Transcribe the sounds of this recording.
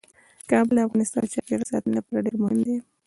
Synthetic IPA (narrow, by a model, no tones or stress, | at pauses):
kɑbɪld̪afɣɑnɪst̪ɑ̰nt͡ʃɑpeɾasɑ̰t̪ənlapɑɾaɖeɾmʊhɪmd̪e